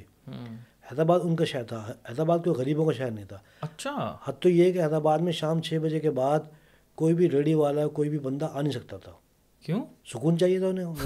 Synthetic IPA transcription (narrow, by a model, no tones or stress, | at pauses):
ɦɛːd̪ɾaːbaːd̪ʊnkaʃaɦəɾt̪ʰaɦɦɛːd̪aːbaːd̪̚koːiɣɐɾiːbõkaʃaɦəɾnɐɦĩt̪ʰaː | ɐʃʰahɐt̪ojeɛkeɦɛːd̪ɾabaːd̪mẽʃaːmt͡ʃʰeːbɐd͡ʒekebaːd̪ | koːibʱiɾeːɽiʋaːlaɔkoːibʱibɐ̃nd̪aʔaːnɦĩsɐk̚t̪at̪ʰa̰ː | kjõːsʊkuːnt͡ʃaːɦiet̪ʰaʊnẽ